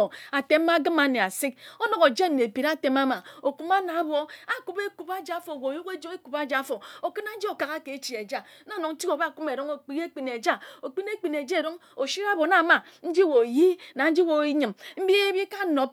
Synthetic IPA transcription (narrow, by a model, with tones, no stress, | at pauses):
o˨a˨te˦m˦a˦ɡɨ˦ma˨ne˨a˨si˦k̚o˦no˨ɣo˨d͡ʒe˦m̩˦ne˨pi˨ɾa˦te˨ma˦ma˨o˨ku˦ma˦na˨˦bo˨a˨ku˦be˦ku˨ba˦d͡ʒa˦fo˨wo˨ju˦ke˦d͡ʒo˦e˦ku˨ba˦d͡ʒa˨˦fo˨o˨kɨ˦na˦n̩˦d͡ʒi˦o˨ka˨ɣa˦ke˨˦t͡ʃi˨e˨d͡ʒa˦na˦˨no˨ŋn̩˦ti˦o˨ba˦˨ku˦me˨ɾo˦ŋo˨k͡pi˨ɣe˦k͡pi˨ne˨d͡ʒa˦o˨k͡pi˦n˦e˦k͡pi˨n˨e˨d͡ʒe˦e˨ɾo˦ŋ | o˨ʃi˦ɾa˦bo˨˦na˨ma˨ | n̩˦d͡ʒi˦wo˨ji˦na˨n̩˦d͡ʒi˦wo˨i˦ɲɨ˨mm̩˦bi˦e˦bi˦ka˦no˨p̚